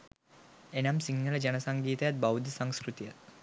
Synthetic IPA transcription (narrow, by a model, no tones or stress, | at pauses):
enɐmsiŋnələd͡ʒɐnɐsaŋɡiːt̪ɐjat̪̚bawd̪ʱisaŋskɾut̪ija̰t̪̚